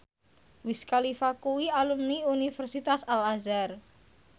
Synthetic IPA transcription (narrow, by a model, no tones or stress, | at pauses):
wiskalifakuwialumniunifərsit̪asalazar